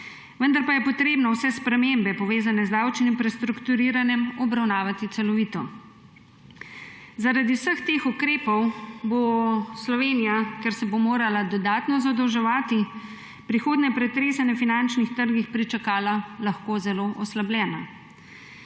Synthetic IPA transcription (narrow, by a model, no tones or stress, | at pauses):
ʋənd̪aɾpajɛpɔt̪ɾeːbnɔwsɛspɾɛmembɛpɔʋeːzanɛzd̪aːwt͡ʃnimpɾɛst̪ɾukt̪uɾiːɾanjɛmɔbɾawnaːʋat̪it̪sɛlɔʋiːt̪ɔ | zaɾad̪iwsəxt̪eːxukɾeːpɔwboslɔʋeːnijakɛɾsɛbomoːɾalad̪ɔd̪aːt̪nɔzad̪ɔwʒɛʋaːt̪i | pɾixoːd̪nɛpɾɛt̪ɾeːsɛnafinant͡ʃnixt̪əɾɡixpɾit͡ʃakaːlalaxkoːzɛloʔɔslablʲjɛːna̰